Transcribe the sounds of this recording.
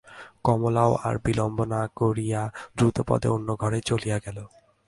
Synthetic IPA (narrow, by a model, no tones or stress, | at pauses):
kɔmolaoa̰ɾbilɔmbonakoɾijad̪ɾut̪opɔ̰d̪ḛonːoɡʱɔɾet͡ɕolijaɡɛlo